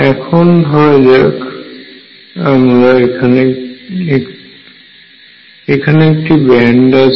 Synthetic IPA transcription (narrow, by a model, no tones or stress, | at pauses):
ɛkʰɔndʱɔɹazak | amɹaekʰanɛ | ekʰanɛk̚tibɛndas